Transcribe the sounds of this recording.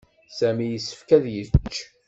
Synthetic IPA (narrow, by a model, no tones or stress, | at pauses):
sæmijəsːə̥fkæðjət͡ʃː